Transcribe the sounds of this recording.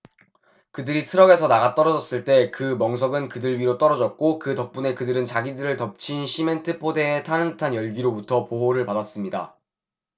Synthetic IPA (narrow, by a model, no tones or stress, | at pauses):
kɯdɯɾitʰɯɾʌɡe̞sʰʌnaɡat͈ʌɾʌd͡ʑʌs͈ɯɭt͈e̞kɯmʌŋsʰʌɡɯnkɯdɯɭɥiɾot͈ʌɾʌd͡ʑʌt̚k͈okɯtʌk̚p͈une̞kɯdɯɾɯnt͡ɕaɡidɯɾɯɭtʌp̚t͡ɕʰinɕʰime̞ntʰɯpʰode̞ːtʰanɯŋtʰanjʌɭɡiɾobutʰʌpoɦoɾɯɭpadas͈ɯmɲida̰